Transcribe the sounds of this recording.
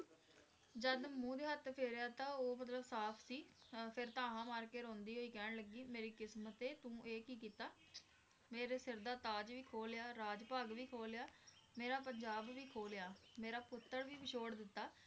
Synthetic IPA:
d͡ʒəd̪mũːd̪eːɦət̪pʰeːɾejaːt̪ãːoːmət̪̬ləbsaːpʰsiːpʰɪɾt̪ãːɦãːmaːɾkeːɾõːnd̪iːɦoːiːkɛːɳləɡiːmeːɾiːkɪsmət̪eːt̪ũːʔeːkiːkiːt̪aː | meːɾeːsɪɾd̪aːt̪aːd͡ʒʋiːkʰoːljaːɾaːd͡ʒpaːɡʋiːkʰoːljaː | meːɾaːpəɲd͡ʒaːbʋiːkʰoːljaːmeːɾaːpʊt̪ːəɾʋiːbɪʃʰoːɽd̪ɪt̪ːaː

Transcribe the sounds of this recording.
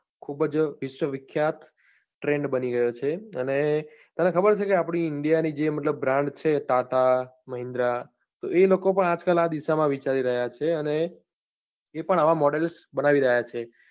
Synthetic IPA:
kʰubd͡ʒʋɪʃwəʋɪkʰːjat̪ | ʈɾeɳɖbəniɡəjot͡ʃʰeəne | t̪anekʰəbəɾt͡ʃʰekeapɳ̃iɪɳɖijanid͡ʒemət̪ləbːɾãɳɖt͡ʃʰeʈaʈaməɦɪ̃nd̪ɾa | t̪oelokopəɳad͡ʒkəlad̪iʃamãʋit͡ʃaɾiɾəɦjat͡ʃʰeəne | pəɳaʋãmɔɖelsbənaʋiɾəɦjat͡ʃʰe

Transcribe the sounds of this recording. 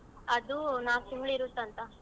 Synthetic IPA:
ɐd̪unaːsiŋɡɭiɾut̪ːɐnt̪ɐ

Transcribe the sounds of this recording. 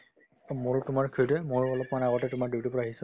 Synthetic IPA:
moɹtʊmaɹkʰiɹtɛmoɹɔlɔpmanaɣɔtɛtʊmaɹduwtipɔɹaaɦisɔ

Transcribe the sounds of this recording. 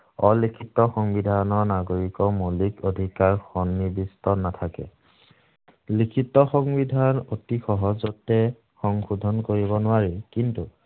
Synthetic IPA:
ɔlikʰitːɔxɔŋbidʱanɔɹnaɡoɹikɔmulikodʱikaɹxɔnːibistɔnatʰakɛ̰ | likʰitːɔxɔŋbidʱanotixɔɦɔzɔtɛ | xɔŋxudʱɔnkoɹibɔnʊaɹikintu

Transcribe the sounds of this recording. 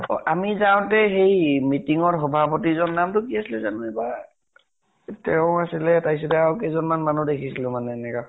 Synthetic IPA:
ɔ̰ʔamizaw̃tɛxejmitiŋɔɹxɔbʱapotizɔnːamtʊkiasilɛzanʊɛba | tɛʊ̃asilɛtajs̬ɔtɛawkɛzɔnmanmanudekʰisilʊ̃manɛːnɛka

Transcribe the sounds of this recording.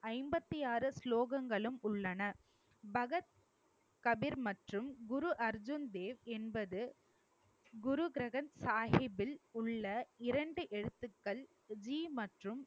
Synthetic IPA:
ɐɪmbɐt̪ːɪjaːɾɯsloːɣɐŋɡɐɭɯmʊɭːɐnɐ | bɐɣɐt̪̚ | kɐbɪɾmɐʈrɯmɡʊɾuʔɐɾd͡ʒʊnd̪eːʋɛnbɐðɯ | ɡʊɾʊɡɪɾɐɣɐnsaːhɪbɪlʊɭːɐɪɾɐɳɖɯʔɛɻɯt̪ːɯkːɐɭ | d͡ʒiːmɐʈrɯm

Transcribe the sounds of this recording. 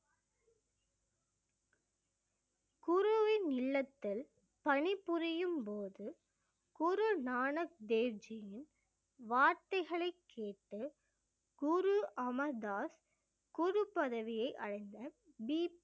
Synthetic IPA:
kʊɾʊʋɪnɪlːɐt̪ːɪl | pɐɳɪpːʊɾɪjɯmpoːðɯ | ɡ̥ʊɾɯnaːnɐk̚d̪eːʋd͡ʒɐjɪn | ʋaːɾt̪ɐɪɣɐɭɐɪkʰːeːʈːɯ | ɡ̥ʊɾuʔɐmɐd̪aːs | ɡ̥ʊɾʊpɐðɐʋɪjɐɪʔɐ̰ɻɐɪnd̪ɐ | biː

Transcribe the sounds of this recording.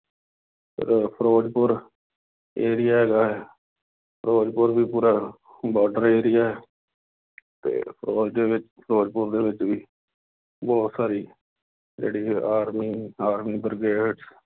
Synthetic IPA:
pʰɪ̰ɾpʰəɾoːd͡ʒpʊɾ | eːɾɪjaːɦɛːɡaːɦɛː | pʰəɾoːd͡ʒpʊɾʋiːpuːɾaː | bɔːʈəɾeːɾɪjaːɦɛː | t̪ḛːpʰəɾoːd͡ʒd̪eːʋɪt͡ʃpʰəɾoːd͡ʒpʊɾd̪eːʋɪt͡ʃʋiː | bɔːt̪saːɾiː | d͡ʒḛːɽiːaːɾmiːaːɾmiːbəɾɡeːɖs

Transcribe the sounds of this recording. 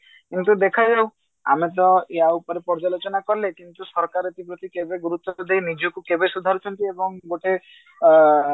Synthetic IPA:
kint̪ud̪ekʰad͡ʒaw | a̰met̪ɔeaupɔɾepɔɾd͡ʒalot͡ʃɔnakɔɾlekint̪usɔɾkaɾet̪ipɾɔt̪ikebeɡuɾut̪wɔkud̪ʱejnid͡ʒokukebesud̪ʱaɾut͡ʃʰɔnt̪iebɔŋɡoʈe

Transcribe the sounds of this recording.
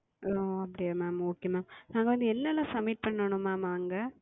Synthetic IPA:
ʔoːɐpːɐɽɪjaːmaːmoːkejmaːmnaːŋɡɐʋɐnd̪ɯɛlːaːlãːsɐmːɪʈ̚pɐɳːɐɳʊ̃maːmaːŋɡɐ

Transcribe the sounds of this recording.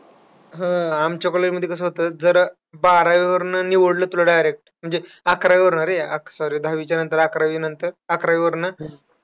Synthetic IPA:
ɦəamt͡ɕakəɭelməd̪ʱjekəs̬əːɦot̪əd͡zəɾ | baɾaʋiʋəɾnəniʋəɽləːt̪ul̤aɖajɾek̚ʈm̤əɳd͡ze | akɾaʋiʋəɾɳaɾeaksɔɾid̪ʱaʋit͡ɕjanənt̪əɾakɾaʋiːnənt̪əɾakɾaʋiʋəɾnə

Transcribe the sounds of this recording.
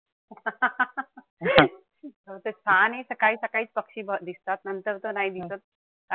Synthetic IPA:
t̪ət̪esanesəkaiːsəkaiːt͡spəkɕiːbʱəd̪ist̪at̪nənt̪əɾt̪onaid̪isot̪̚ | ka

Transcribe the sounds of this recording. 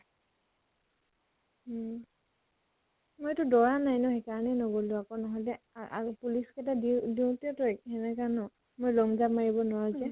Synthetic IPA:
mojtʊdɔɹanajnɔɦekaɹɔnɛnɔɡolʊ̃akɔnɔɦɔjlɛ | a̰puliskɛtadidiwtɛtɔkɛnɛkanɔ | mojlɔŋzamaɹibɔnɔazɛ

